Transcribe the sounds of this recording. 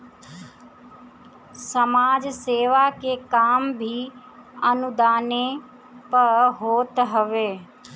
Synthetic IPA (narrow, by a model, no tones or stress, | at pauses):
səmaːd͡ʒseːʋakeːkaːmbʱiː | ənʊd̪aːne | pəɦoːt̪ɦəʋeː